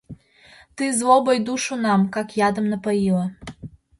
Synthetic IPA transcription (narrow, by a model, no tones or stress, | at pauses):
t̪ɨzlobəjd̪uʃunɑmkɑkjɑd̪ə̆mnəpəjilə